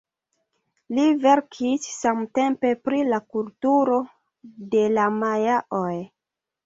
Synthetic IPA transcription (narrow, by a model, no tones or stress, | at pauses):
live̞ɾkʰisːamte̞mpe̞pɾilakultuɾo̞ | de̞lamajaʔoj